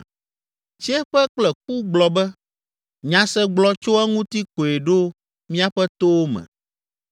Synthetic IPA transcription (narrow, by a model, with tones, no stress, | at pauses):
t͡ʃi˦ɛ˦ɸɛ˦k͡plɛ˨k̚u˦ɡ͡blɔ˨bɛ˦ | ɲã˨sɛ˦ɡ͡blɔ˦t͡ʃo˦ɛ˦ŋũ˦t̪i˦ko˨e˨ɖo˦ | mĩ˦a˦ɸɛ˦t̪o˦wo˦mɛ̰̃˨